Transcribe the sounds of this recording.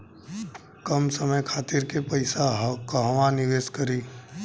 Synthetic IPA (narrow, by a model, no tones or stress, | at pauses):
kɐmsəməjkʰaːt̪iɾkepɐɪsaɦkɦɐʋanɪʋeːskɐɾiː